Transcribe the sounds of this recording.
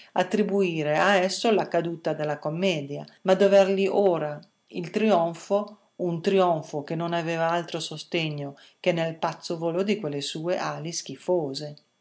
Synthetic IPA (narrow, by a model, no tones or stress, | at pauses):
at̪ːɾibuiːɾeaɛsːolakad̪uːt̪ad̪elːakomːɛːd̪jamad̪ovɛɾʎiʔoːɾa | ilt̪ɾiɔɱfo | unt̪ɾiɔɱfokenonavɛːvaalt̪ɾosost̪eɲːo | k̟enelpat̪sːovolod̪ikwelːesuːeʔaːlisk̟ifoːze